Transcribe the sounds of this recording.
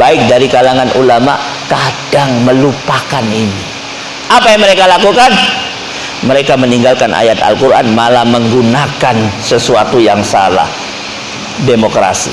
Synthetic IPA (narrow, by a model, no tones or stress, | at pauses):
baɪk̚daɾikalaŋanʔulama̰ʔ | kad̥aŋməlupakanini | ʔapajaŋməɾekalakukan | məɾekaməniŋɡalkanʔa̰jat̪a̰lkuɾʔa̰nmalahməŋɡunakansəsuat̪ujaŋsa̰la̰h | demokɾa̰sḭ